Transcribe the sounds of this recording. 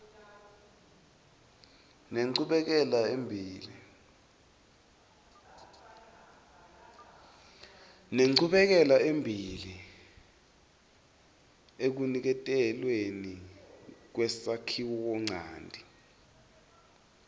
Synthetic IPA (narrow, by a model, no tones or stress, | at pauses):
neǀuɓɛk̬ɛlaembʱiːlḭ | neǀuɓɛk̬ɛlaembʱiːli | ek̬unik̬ɛtʼɛlweni | k̬wɛsakʰiwɔk̬ɔŋ͡ǀʱaːndʱi